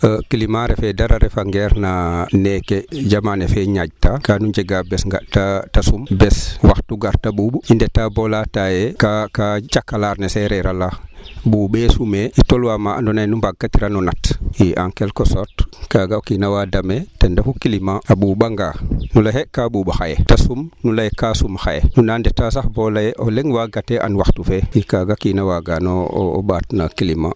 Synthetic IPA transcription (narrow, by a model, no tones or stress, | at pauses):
əkilimaɾɛfɛdaɾaɾɛfaŋɡɛɾnanɛkɛd͡ʒamanɛfɛɲad͡ʒtakanuɲd͡ʒɛɡabɛsŋɡa̰ʔtatasumbɛswaxtuɡaɾtaɓuɓuindɛtabɔlatajɛkakat͡ʃakːalaɾnɛsɛɾɛɾalabuːɓɛsumɛitɔlwamaʔa̰ndɔnajnumbaɡkːatiɾanɔnatjiʔa̰ŋkelkosɔɾtkaɡaokinawadametendafukilimaaɓuːɓaŋɡanulahekaɓuɓaxajetasumnulajkasumxa̰jḛnunandetːas̬axbolajeʔoleŋwaɡateʔa̰nwaxtufeikaɡakinawaɡano̰ːɓatnakilima̰